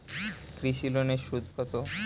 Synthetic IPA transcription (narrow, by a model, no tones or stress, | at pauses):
kɾiʃiloneʃud̪ʱkʰot̪o